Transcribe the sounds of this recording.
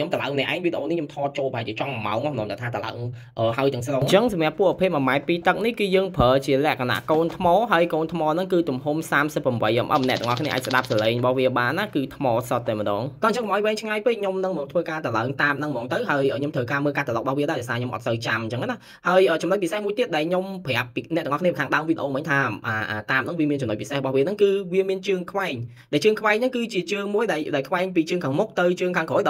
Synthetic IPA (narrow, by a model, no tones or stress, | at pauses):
ɲomt̪əla̰əŋnɛəʔaɛŋʋiɗə̆ʔoːnihɲomt̪ʰɑːt͡ɕoːlpəhaɛjt͡ɕiət͡ɕɑŋmma̰ɔŋɔmnoənt̪at̪ʰaːt̪əla̰əŋ | ʔəːɦaəjt̪ɛ̆əŋsloŋt͡ɕəŋsɑmjăəpːŭəʔpʰiəp̚məmaɛpiːt̪ɨk̚nihkɨːjəːŋpʰəːt͡ɕiəlɛ̆əʔkʰana̰ʔkoːnt̪ʰmɑːɦaəjkoːnt̪ʰmɑːnɨŋkɨːt̪umɦumsaːmsəpːramɓəjʔəmʔɑ̰mnɛəʔ̪t̪əʔɑkʰniəʔaːc̚səɗap̚saleːŋrəɓɑhʋiəɓaːnːaːkɨːt̪ʰmɑːsot̪̚ːəmə̆ɗɑ̰ːŋk̪ɑːnt͡ɕəŋkɔmʔajʋɛːŋt͡ɕʰŋajpeːt̚ɲomnɨŋmɔːŋt̪ʰʋəːkaːt̪əlaəŋt̪aːmnɨŋmɔːŋt̪ɨwɦaəjʔəːɲomt̪ʰəːkaːməːlkaːt̪əlɔk̚ɓɑhʋiəɗaɛɗɔsaːɲomʔɑ̰t̪̚səwt͡ɕamnt͡ɕəŋːʔana | haəjʔəːt͡ɕɑmləc̚pisehmuəjt̪iət̪̚ɗaɛlɲompʰɛ̆əpːinɛ̆ʔ̪əŋʔɑkʰniəpkʰaːŋɗaəmʋiəɗə̆ʔoːmʋəɲt̪ʰaːaːʔaːt̪aːmnɨŋʋiəmiənt͡ɕʊmnoc̚pisehrəɓɑhʋiənɨŋkɨːʋiəmiənt͡ɕɨəŋkʰʋaɛŋ | ɗaɛlt͡ɕəəŋkʰʋaɛŋnɨŋkɨːt͡ɕiət͡ɕəːŋmuəjɗaɛlɗaɛlkʰʋaɛŋpiːt͡ɕəəŋkʰaːŋmuk̚t̪ɨwt͡ɕəːŋkʰaːŋkoːjɗ